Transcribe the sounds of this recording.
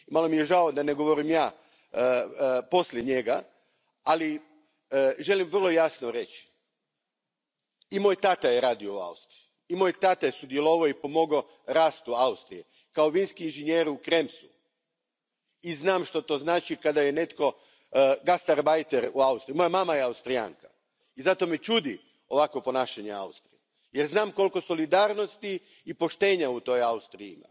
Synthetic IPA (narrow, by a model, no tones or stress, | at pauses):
malo̞mije̞ʒaod̪aneɡo̞ʋo̞ɾimjaː | po̞sljeɲe̞ɡa | ali | ʒe̞limʋrlˠo̞jasnoɾe̞t͡ʃ | imo̞ːjt̪at̪ajeɾaːd̪io̞ua̰ust̪ɾiu | imo̞ːjt̪at̪ajesud̪jelˠo̞ʋaoipo̞mo̞ɡo | ɾaːst̪uaust̪ɾije | kao̞ʋiːnskiːnʒeɲjeːɾukɾe̞msu | iznaːmʃt̪ot̪o̞ːznaːt͡ʃikad̪ajene̞t̪ko̞ | ɡast̪aɾbajt̪eɾuaust̪ɾimo̞jamamajeaust̪ɾija̰ːŋkḁ | izat̪o̞met͡ʃud̪i | o̞ʋakʋo̞po̞naːʃaɲea̰ust̪ɾije | jeɾznaːmko̞lˠko̞so̞lid̪aːɾno̞st̪iː | po̞ʃt̪e̞ːɲaut̪o̞jaust̪ɾijima̰